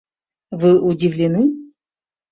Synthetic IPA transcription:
vɨʔʊdʲɪvlʲɪnɨ

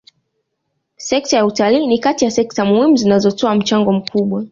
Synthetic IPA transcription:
sɛk̚tajautaliːnikatijasɛk̚tamuhimuzinazɔtɔam̩t͡ʃaŋɡɔm̩kʰuɓwa

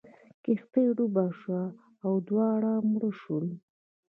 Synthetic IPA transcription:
kɪxt̪eɖubɑʂwaː | wd̪wɑɽamɽəʃul

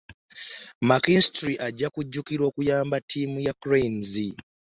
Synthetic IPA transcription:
makinstɾiʔaɟːakuɟːukiɾwo̞ːkujaːmbatʰːiːmujakɾeinzi

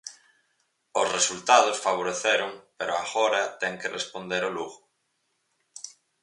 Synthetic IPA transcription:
osresult̪að̞osfaβ̞oɾeθeɾʊŋpeɾoaɣoɾɐt̪ɛŋkerespond̪eɾoluɣʊ

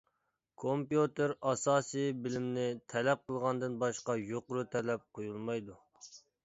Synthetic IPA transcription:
kʰompjut̪eɾɑsɑːsɨjbɪlɪmnɪt̪ʰɛlɛp̚qəlˠʁɑnd̪ɨnbɑʃqɑjoqʊɾut̪ʰɛlɛp̚qʰojulˠmɑjd̪u

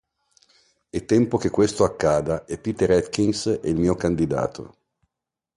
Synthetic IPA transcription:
ɛt̪ːɛmpok̟ekːwest̪oakːaːd̪aepːit̪eɾɛt̪kinsɛilmiːokand̪id̪a̰ːt̪ʰo̰

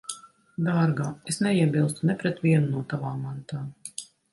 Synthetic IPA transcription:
d̪aːɾɡaesnɛiɛbilˠst̪unɛpɾɛt̪viɛnunuɔt̪avaːmant̪aː

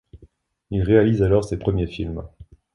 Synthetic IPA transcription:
ilʁealizalɔʁsepχəmjefilm

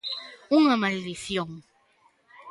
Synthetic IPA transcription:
uŋamaliliθjoŋ

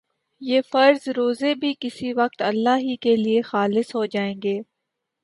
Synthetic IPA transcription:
jeːfɐɾzɾoːzebʱikɪsiʋɐq̚t̪ɐlːaːɦikeliexaːlɪsɦod͡ʒaːẽːŋɡeː

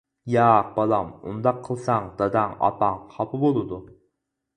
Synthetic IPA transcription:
jɑq̚bɑlˠɑmṵnd̪ɑqʰːəlˠsɑŋd̪̥ɑd̪ɑŋɑ̰pɑŋqʰɑpʰɨbolˠɨd̪u

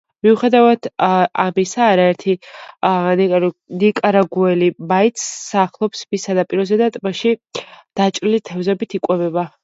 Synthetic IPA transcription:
miuχɛd̪avad̪̥amisaːɾaɛɾt̪ʰi | nnikʼaɾaɡuɛlibait̪sːaχlˠɔpsmisad̪apʼiɾɔzɛd̪at̪ʼmaʃid̪̥at͡ʃʼɾilit̪ʰɛvzɛbit̪ʰikʼwɛbɛba

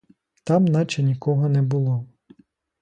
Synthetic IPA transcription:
t̪ɑmnɑt͡ʃɛnʲikɔɦɔnɛbʊlˠɔ

